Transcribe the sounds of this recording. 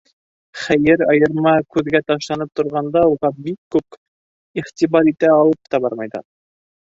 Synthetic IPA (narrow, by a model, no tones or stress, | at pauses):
χæjɘɾɑjɤ̆ɾmɑkʉðɡæt̪ɑʃlˠɑnɤp̚t̪ŏɾʁɑnd̪ɑuʁɑbikːʉp | iχt̪iβɑɾit̪æɑlˠɤp̚t̪ɑbɑɾmɑjd̪ɑ̰